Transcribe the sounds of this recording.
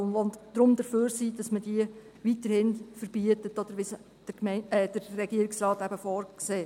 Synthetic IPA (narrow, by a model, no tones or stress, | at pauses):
ʊnɔnd̥ɾʊmd̪əføːɾsiːd̥ɑsməd̥iə | ʋitəɾhɪnfəɾb̥iətətɔd̪̥əɾʋɪs | d̥əmɛɛd̥əɾːɛɡiəɾɪksrɑːt̪æb̥əfɔːɾkseː